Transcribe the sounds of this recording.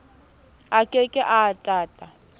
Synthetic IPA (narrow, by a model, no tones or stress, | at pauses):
akʼekʼɪʔatʼaːtʼa